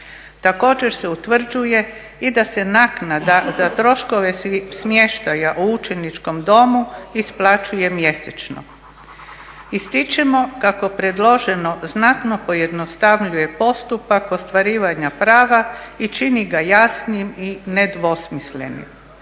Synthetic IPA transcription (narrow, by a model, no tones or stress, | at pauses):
t̪ako̞ːd͡ʑe̞ɾse̞ut̪ʋr̩d͡ʒuje̞ | id̪ase̞naknad̪azat̪ɾo̞ʃko̞ʋe̞smje̞ʃt̪ajaʔuut͡ʃenit͡ʃko̞md̪o̞muisplˠat͡ʃuje̞mje̞set͡ʃno̰ | ist̪it͡ʃemo̞kako̞pɾed̪lˠo̞ʒe̞no̞znat̪no̞po̞je̞d̪nost̪aʋʎuje̞po̞st̪upako̞st̪ʋaɾiːʋaɲapɾaːʋait͡ʃiniɡajasniimine̞d̪ʋo̞smisle̞̰nḭm